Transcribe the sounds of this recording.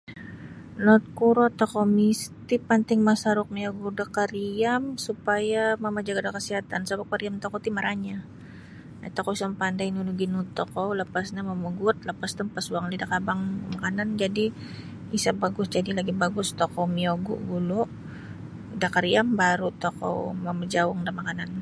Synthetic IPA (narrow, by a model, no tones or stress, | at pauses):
lɔt̪̚kuɾɔt̪ɔkɔmist̪ipant̪ɪŋmasaɾʊk̚mioɡudakaɾiamsupajaməmad͡ʒaɡadakəsiɦat̪ansabakaɾiamt̪ɔkɔt̪imaɾaɲa | at̪ɔkɔisampandajnunuɡinut̪ɔkɔwləpasɲaməməɡʊt̪̚ləpast̪əmpasuaŋlidakabaŋmakanand͡ʒadi | isabaɡʊsd͡ʒadilaɡibaɡʊst̪okɔwmioɡṵʔɡulʊʔ | dakaɾiambaɾut̪okɔ̰wmaməd͡ʒaʊŋdamakanan